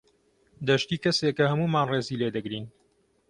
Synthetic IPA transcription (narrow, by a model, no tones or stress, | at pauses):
d̪ɐʃt̪iːkɐsekɐhɐmuːmaːnreːziːleːd̪ɐɡɾiːn